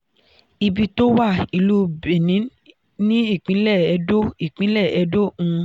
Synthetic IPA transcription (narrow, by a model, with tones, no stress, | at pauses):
i˧bi˧to˦wa˦˨i˧˨lu˦be˨nĩ˨˦ | nĩ˦i˦˨k͡pĩ˨˦lɛ˦˨ɛ˧do˦i˦˨k͡pĩ˨˦lɛ˦˨ɛ˧do˦ũ˧